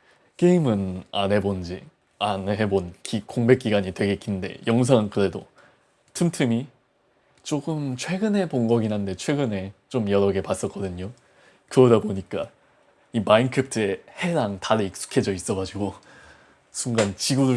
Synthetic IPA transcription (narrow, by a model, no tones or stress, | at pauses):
ke̞imɯna̰nɦe̞bond͡ʑi | aneɦebonkikoŋbe̞k͈iɡaɲitwe̞ɡek͈inde̞̰jʌŋs̬ʰaŋɯnkɯɾe̞do | tʰɯmtʰɯmi | t͡ɕ͈oɡɯmt͡ɕʰwe̞ɡɯne̞poŋɡʌɡinɦande̞t͡ɕʰwe̞ɡɯne̞t͡ɕomjʌɾʌɡe̞pas͈ʌk͈ʌdɯɲo | kɯɾʌdaboɲik͈a | imainkʰep̚tʰɯe̞he̞ɾaŋtaɾeik̚s͈u̥kʰe̞d͡ʑʌis͈ʌɣad͡ʑiɡo | sʰuŋɡant͡ɕiɡudu